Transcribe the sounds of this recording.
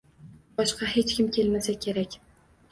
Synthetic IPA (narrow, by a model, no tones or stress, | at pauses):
bɒʃqɑɦe̞t͡ʃkʲʰɪmkʲʰelmasakʲʰe̞ɾakʲ